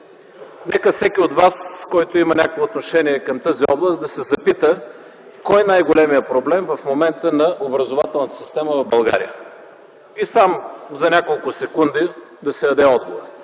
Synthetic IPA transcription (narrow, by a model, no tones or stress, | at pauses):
nɛkəfsɛkʲiod̪vaskɔjt̪oimɐnʲakovɛot̪noʃɛniɛkɐmt̪əziɔblˠəst̪d̪ɐsɛzɐpit̪ə | kɔjnajɡolɛmijəpɾoblɛmvɐfmomɛnt̪ənɐʔobɾɐzovat̪ɛlˠnət̪ə̥si̥st̪ɛməvɐvbɐlˠɡa̰ɾḭjə | isamzɐnʲakolˠkʊsɛkund̪i | d̪ɐsɛd̪ɐd̪ɛɔd̪̚ɡovoɾ